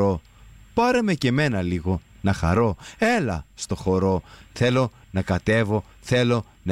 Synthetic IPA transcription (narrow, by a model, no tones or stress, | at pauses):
o̞ | pɐɾe̞me̞ce̞me̞nɐliɣo̞ | nɐxɐ̰ɾo̞e̞lɐ̰st̪o̞xo̞ɾo̞θe̞lo̞ | nɐkɐt̪e̞vo̞ | θe̞lo̞ | nɐ